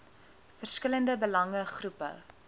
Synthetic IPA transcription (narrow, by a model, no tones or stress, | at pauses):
fərskələndəbəlɐŋəχrupə̰